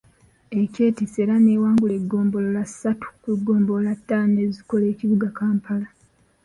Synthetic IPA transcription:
e̞ce̞ːtiseːɾane̞ːwaːŋɡule̞ɡːo̞ːmbo̞lolasːatu̥kweɡːo̞ːmbolatːaneziko̞le̞ːciβuɡakaːmpala

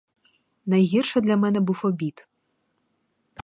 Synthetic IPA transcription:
najɣʲirʂɐd̪lʲɐmɛnɛbufɔbʲit̪

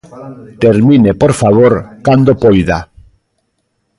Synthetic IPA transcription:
t̪eɾmĩnepoɾfaβ̞oɾkand̪opojða

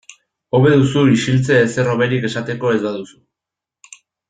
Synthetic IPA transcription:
o̞βe̞ðusuiʃilt͡seːse̞ro̞βe̞ɾike̞sat̪e̞ko̞e̞zbaðusu̥

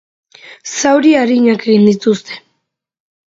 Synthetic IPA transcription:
sawɾiaɾiɲake̞ɣind̪it̪ust̪e̞̥

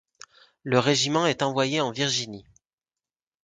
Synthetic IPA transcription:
ləʁeʒimɑ̃ɛt̪ɑ̃vwajeɑ̃viʁʒini

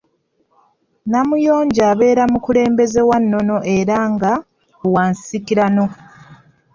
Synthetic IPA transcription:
namujo̞ːɲɟaːβe̞ːɾamukule̞ːmbe̞ze̞wanːo̞no̞ʔe̞ɾaŋɡa | waːnsikiɾano̞

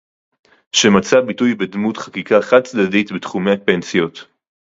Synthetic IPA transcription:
ʃemat͡sabitujbedmutχḁkikaχad̚t͡sd̪aditbetχumeape̞nsjo̞t

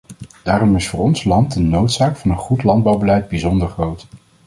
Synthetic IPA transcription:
d̥aːrɔmɪsfʊːɹɔnslɑntənowtsaːkfɑnənχutlɑnd̚bɑwbəlɛjd̚bizɔndəɹχrowt

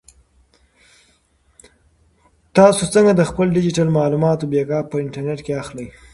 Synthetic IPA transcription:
t̪ɑsot͡səŋɡad̪əxpəlɖɪd͡ʒɪʈalmɑːlumɑt̪obeɡɑpəɪɳʈaɾneʈkeaxləj

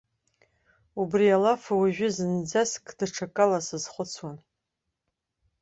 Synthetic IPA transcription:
ubrialafawaʒᶣʊzɨnd͡zaskʰʼdaʈ͡ʂʰakʼalasɨzχʷʊt͡sʰwan

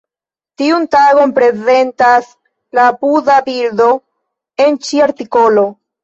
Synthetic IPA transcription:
tiuntaɡo̞npɾe̞ze̞ntas | lapudabiɾdo̞ | e̞nt͡ʃiaɾtiko̞lo̞

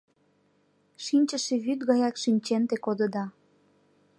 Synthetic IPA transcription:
ʃinʲt͡ɕəʃeβyt̪ɣɑjɑkʃinʲt͡ɕent̪ekod̪əd̪ɑ

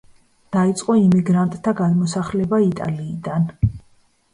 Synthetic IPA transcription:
d̪̥ait̪sʼqʼɔimiɡɾant̪ʼt̪ʰːaɡad̪mɔsaχlɛbait̪ʼa̰liːd̪an

